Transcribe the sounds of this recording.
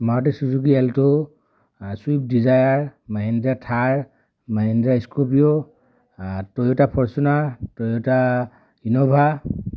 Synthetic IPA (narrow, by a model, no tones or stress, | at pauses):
maɹɔtesuzuɡiɛlto | suip̚dizajaɹmaɦindɹatʰaɹ | maɦindɹaiskupijɔ | tojotapʰɔɹsunaɹtojota | inɔbʱa